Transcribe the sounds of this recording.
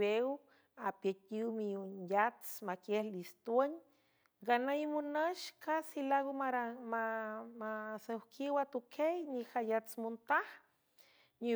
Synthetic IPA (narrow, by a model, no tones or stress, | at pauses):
ew | apetiwmijunjat͡smakehlist̪waɲ | ɡanajmunaʃkasilaɣomaɾamamasawkʰiwat̪ukʰejnixajat͡smunt̪ah | ni